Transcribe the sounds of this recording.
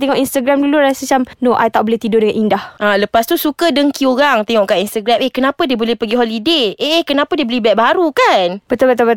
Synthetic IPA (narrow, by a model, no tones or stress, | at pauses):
t̪eŋɔʔinst̪aɡɾamduluɾasət͡ʃamnoʔa̰jt̪aʔboleht̪idʊdəŋanindahʔaləpast̪usukədəŋkioɾaŋt̪eŋɔʔkaʔinst̪əɡɾamʔehkənãpədiəbolɛhpəɡiɦolideeehkənãpadiəbəolɛbɛʔ̚baɦaɾukanb̥ət̪abət̪abət̪